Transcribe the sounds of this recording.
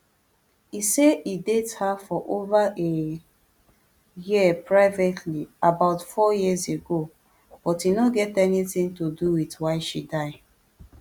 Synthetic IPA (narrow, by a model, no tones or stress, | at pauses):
iseidethafɔʔovaʔe | jipɹaɪvetʰliabaʊtfɔjizeɡo | b̥ɔtinoɡɛtɛnitĩŋtoduwitwaɪʃidaɪ